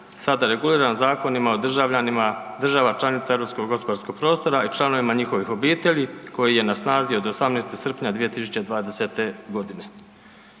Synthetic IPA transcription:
sad̪aɾe̞ɡuliːɾanzaːko̞nimaod̪aad̪r̩ʒaʋat͡ʃlˠanit̪saevɾo̞psko̞ɡɡo̞spod̪aɾsko̞ɡ̚pɾo̞ːst̪o̞ɾait͡ʃlˠano̞ʋimaɲixo̞ʋixo̞biːt̪e̞ʎiko̞jije̞nasnaːzio̞d̪osamneːst̪isr̩pɲad̪ʋije̞t̪isut͡ɕe̞d̪ʋaːd̪e̞set̪e̞ɡo̞d̪ine̞

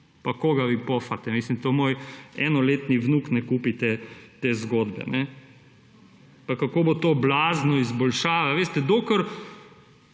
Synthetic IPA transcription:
pakoːɡaʋipɔfat̪ɛmiːslimt̪omoːjɛnɔleːt̪niʋnuːknɛkuːpit̪et̪eːzɡoːd̪bɛ̰nɛ | pakakoːbot̪oːblaːznɔizbɔlʃaːʋaʋeːst̪ɛd̪okəɾ

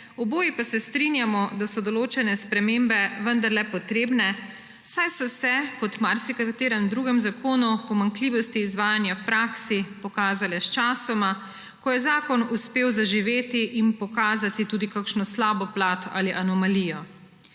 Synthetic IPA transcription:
ɔboːjipasɛst̪ɾinjamɔd̪asɔd̪ɔloːt͡ʃɛnɛspɾɛmeːmbɛʋənd̪aɾlɛpɔt̪ɾeːbnɛ | sajsɔsɛkɔt̪maɾsikakt̪eːɾɛmd̪ɾuːɡɛmzakoːnupɔmaŋkliːʋɔst̪iːzʋaːjanjawpɾaːksipɔkaːzalɛst͡ʃaːsɔma | kɔjɛzaːkɔnuspeːwzaʒiʋeːt̪iʔinpɔkaːzat̪it̪uːd̪ikakʃnɔslaːbɔplaːt̪a̰liʔanɔmaliːjɔ

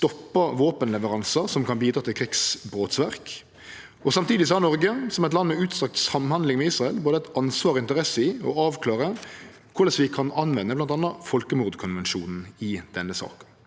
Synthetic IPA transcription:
st̪ɔpːəʋoːpənlɛʋəɾɑnsəsɔmkʰɑnbiːd̪ɾɑːt̪ʰɪlkʰɾɪksbɾoːt̪sʋæʁk | ɔsɑmt̪ʰiːd̪ɪsɔhɑnɔʁɡəsɔmɛt̪lɑnːmɛʉːt̪sɑk̚t̪sɑmːhɑnd̪lɪŋmɛiːsʁɑɛlboːd̪əæɛɪt̪ɑnsʋɑːɾɔɪnt̪əʁɛsəɪɔɑːʋkʰlɑːʁə | kʰʊɾd̪ɛsʋɪkʰɑnɑnʋɛnːəblɑnt̪ɑnːəfɔlkəmuːʁd̪kʰʊnʋɛnʃuːnn̩ɪd̪̥ɛnːəsɑ̰ːkə̥n

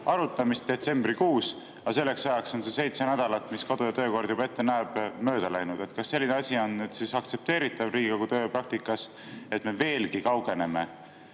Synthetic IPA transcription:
ɑɾut̪ːˑɑmist̪̚d̪̥e̞t̪se̞mbrikuːs | ɑse̞lːe̞ksɑjɑkso̞nse̞se̞jt̪se̞næd̪̥ɑlɑt̪ˑmiskod̪ojɑt̪ø̞ːko̞rɾd̪̥jub̥ɑe̞t̪ːe̞næeb̥mø̞ːd̪̥ɑlæjnud̪̥e̞t̪kɑsːe̞lʲːineɑsʲio̞nːyd̪̥sisɑkt̪se̞p̚t̪e̞ːɾit̪ːˑɑvriːɡikoɡut̪øːpɾɑk̚t̪ikːˑɑs | e̞t̪me̞ve̞ːlkikɑwɡ̥e̞ne̞me̞

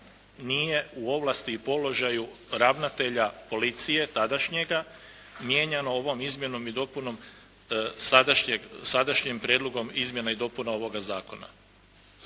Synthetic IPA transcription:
nije̞uo̞ʋlast̪iːpo̞lo̞ʒajuɾaʋnat̪e̞ʎapo̞lit̪sije̞t̪ad̪aʃɲe̞ɡa | mje̞ɲano̞o̞ʋo̞mizmje̞no̞mid̪o̞puno̞m | sad̪aʃɲeɡsad̪aʃɲempɾʲjeːd̪loɡo̞mizmje̞naid̪o̞punao̞ʋo̞ɡazaːko̞na̰

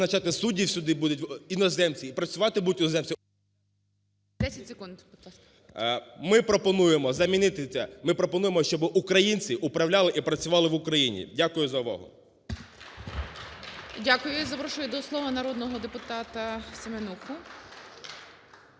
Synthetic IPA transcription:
nɐt͡ʃɑt̪ɪsudʲiwsʲʊd̪ɪbud̪ʊtʲinɔzɛmt͡sʲiːpɾɐt͡sʲʊʋɑt̪ɪbud̪ʊtʲinɔzɛmt͡sʲ | d̪ɛsʲɐtʲsʲekund̪ | mɪpɾɔpɔnujemɔzɐmʲinɪt̪ɪsʲɛmɪpɾɔpɔnujemɔʃt͡ʃɔbɪʔukɾɐjinʲt͡sʲiʔʊpɾɐwlʲɑlˠɪʔipɾɐt͡sʲʊʋɑlˠɪʋʊkɾɐjinʲḭdʲakʊjʊzɐʋɔ̰ɦɔ̰ | dʲakʊjʊzɐpɾɔʃʊjʊd̪ɔslˠɔʋɐnɐɾɔd̪nɔɦɔd̪epʊt̪ɑt̪ɐsʲemenuxʊ

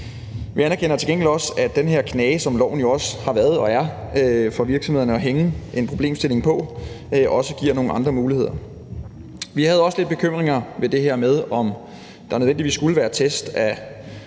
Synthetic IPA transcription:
ʋiænɐkʰen̰ɐt͡sʰe̝ɡeŋɡl̥ɒ̽sæd̥enɦeɐ̰kʰnɛːsɒ̽mlɒʊ̰n̩jo̝ɒ̽shɑ̈ʋæɐð̞̩ˠɒ̽æɐøfɒ̽ʋiɐɡ̥sɒmhe̝ðˠɐnəɒ̽ɦeŋəʔe̝npʰʁoble̝̰ːmsd̥e̝le̝ŋpʰɒ̽ | øʔɒ̽səɡ̥ḭɐ̰no̝ːŋ̩ɑ̈nd̥ʁɐmuːlihe̝ð̞̰ˠɐ | ʋihæð̩ˠɒ̽səle̝d̥̚b̥e̝kʰøm̰ʁeŋɐʋe̝d̥e̝heɐ̰með̞ˠɒ̽m | d̥ɑ̈nøðˠʋendiʋḭːsɡ̥uləʋæːɐt͡sʰesd̥æ

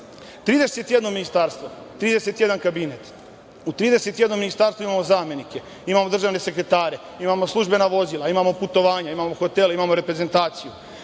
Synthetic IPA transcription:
t̪ɾiːd̪e̞set̪je̞d̪nominist̪aɾst̪ʋo | t̪ɾiːd̪e̞set̪je̞d̪ankabinet̪ | ut̪ɾiːd̪ese̞t̪jed̪no̞mːinist̪aːɾst̪ouimamo̞zaːme̞nike̞ | imamo̞d̪ɾr̩ʒaːʋne̞se̞kɾe̞t̪aːɾe̞ | imamo̞slˠuʒbe̞naʋo̞zilˠaimamo̞put̪o̞ʋaːɲaimamoxo̞t̪eleimamo̞ɾe̞pɾeze̞nt̪aːt̪siju

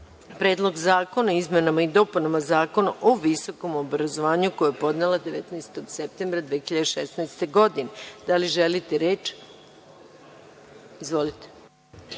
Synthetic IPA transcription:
pɾe̞ːd̪lˠo̞ɡzaːko̞naizmenamaid̪o̞punamazaːko̞naʔoʋiso̞ko̞mobɾazo̞ʋaːɲukojojepo̞d̪nelad̪eʋet̪nast̪o̞ɡsep̚t̪embɾad̪ʋeçiʎad̪eʃesnajst̪e̞ɡo̞d̪ined̪aliʒelit̪eɾeːt͡ʃ | izʋo̞lit̪e̥

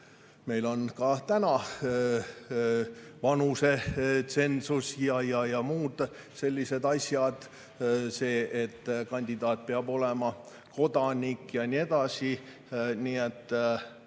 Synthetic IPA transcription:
me̞jlo̞nkɑt̪ænɑ | vɑnuset̪se̞nsusjɑjɑjɑmuːd̪̥ | se̞lʲːise̞d̪ɑsʲjɑd̪̥ | se̞ːʔet̪ːkɑnʲd̪id̪̥ɑːt̪̚peɑbo̞le̞mɑ | ko̞d̪̥ɑnʲikːjɑnʲie̞d̪̥ɑsi | niːet̪ː

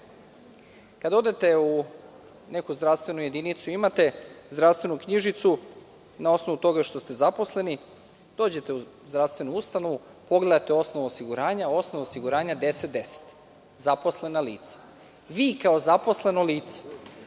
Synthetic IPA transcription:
kad̪ao̞d̪e̞t̪e̞u | ne̞kuzd̪ɾaʋst̪ve̞nuje̞d̪init̪suimat̪e̞zd̪ɾafst̪ʋe̞nukɲiʒit̪su | nao̞snoʋut̪o̞ɡaʃt̪o̞st̪e̞zapo̞sle̞ni | d̪̥o̞ːd͡ʑe̞t̪e̞uzd̪ɾaʋst̪ʋe̞nuust̪ano̞ʋu | po̞ɡle̞d̪at̪eo̞snoʋoosiɡuɾaːɲao̞snoʋaosiɡuɾaːɲad̪e̞set̪̚d̪e̞se̥t̪ | zapo̞sle̞naliːt̪sḁ | ʋiːkao̞zapo̞sle̞no̞liːt̪se̥

